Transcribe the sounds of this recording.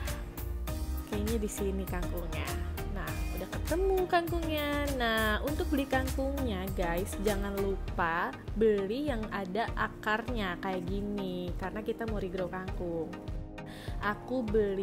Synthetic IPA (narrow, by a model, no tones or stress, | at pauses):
kajaɲadisinikaŋkuŋɲanahudahkət̪əmukaŋkuŋɲanahunt̪ʊk̚bəlikaŋkʊŋɲaɡajsd͡ʒaŋanlupabəlijaŋadaʔakarɲakajaɡinikarənakit̪amoɾiɡɾokaŋkʊŋ | ʔakubəli